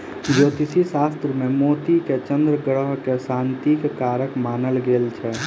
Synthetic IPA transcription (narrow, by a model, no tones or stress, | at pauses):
d͡ʒoːt̪ɪsisaːst̪ɾəmẽmoːt̪iket͡ʃə̃nd̪ɾəɡəɽəɦkesãːnt̪ikkaːɾəkmaːnəlɡeːlt͡ʃʰɛ